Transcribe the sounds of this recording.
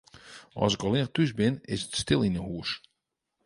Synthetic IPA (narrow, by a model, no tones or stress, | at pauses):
ɔ̰sɪkɔlɪnχtysbɪnɪ̰sətstɪlˠinəhuəs